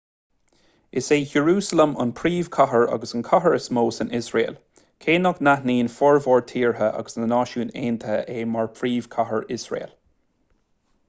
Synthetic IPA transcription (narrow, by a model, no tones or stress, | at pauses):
ɪseːhəɹuːsələmə̰npʰɹiːv̥kʰɔɦəɹa̰ɡəsənkʰɔɦəɹəsmoːsɪnɪsɹḛːl | kʰeːnɔɡnahniːnfɔɹvɔːɹtʰiːɹɦəʔa̰ɡəsnənɑːʃuːneːnt̪ʰəʔeːmaɹpʰɹiːv̥kʰɔɦəɹɪsɹḛːl